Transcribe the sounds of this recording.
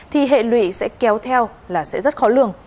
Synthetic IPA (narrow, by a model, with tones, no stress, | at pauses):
t̪ʰi˨˩ɦḛ˧˨lwḭ˧˨sɛ̰˧˥kɛ˨˦wt̪ʰɛ˧w | laː˨˩sɛ̰˧˥zə˦˥t̚xɔ˨˦lɨ̰˧˨əŋ